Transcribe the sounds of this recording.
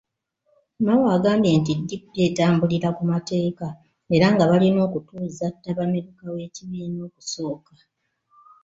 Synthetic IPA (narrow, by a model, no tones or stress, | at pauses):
mawaːɡaːmbje̞ntidːipde̞ːtaːmbuliɾakumate̞ːka | e̞ɾaŋɡaβalino̞ːkutuːzatːaβameɾukawe̞ːciβeːno̞ːkuso̞ːka